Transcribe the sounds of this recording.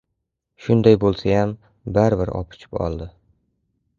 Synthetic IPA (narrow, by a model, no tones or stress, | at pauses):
ʃʊnd̪ajbolˠsajam | baɾɪbɪɾɒ̰pʰʊ̥t͡ʃʰɪ̥pɒ̰lˠd̪ɪ